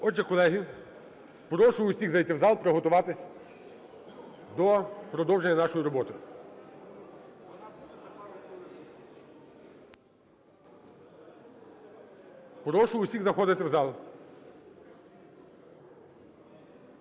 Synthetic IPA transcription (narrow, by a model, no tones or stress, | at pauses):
ɔʒɛkɔlˠɛɦi | pɾɔʃʊʊsʲiɣzɐjt̪ɪwzɑlˠpɾeɦɔt̪ʊʋɑt̪ɪsʲ | d̪ɔpɾɔd̪ɔwʒenʲːɐnɑʃɔjiɾɔbɔt̪ɪ | pɾɔʃʊʊsʲiɣzɐxɔd̪ɪt̪ɪwzɑlˠ